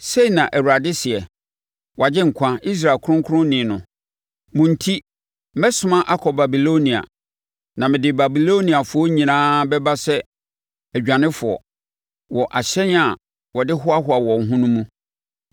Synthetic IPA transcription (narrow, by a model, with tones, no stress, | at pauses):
se˦i˨nã˨ʔæ˨wu˨ɾa˨dɪ˦sɪ˨ɛ˨ | wʔa˨d͡ʑɪ˦ŋ̩˨kʷʰã˦i˦s̬ɾa˨kʰɾʊ̃˦ŋkʰʊ˦ɾʊ̃˦nɪ̃ː˨nʊ̃˨ | mʊ̃˨n̩˦tʰi˦ | mɛ˦sʊ̃˦mã˦ʔa˦kʰɔ˨ba˨bi˨lo˦nĩ˨a̰˨ | nã˨mɪ̃˨dɪ˨ba˨bi˨lo˦nĩ˨a˨fʊ˨ɔ˦ɲĩ˨nãː˦bɛ˦ba˦sɛ˦ | æ˨d͡ʑᶣã˨nɪ̃˦fʊ˨ɔ̰˨ | wɔ˨ʔa˨ɕɛ˦n˦a˨ | wɔ˨dɪ˦ɦʊ˦a˦ɦʊ˦a˨wɔ˨ŋ̩˨ɦʊ̃˦nũ˦mũ˦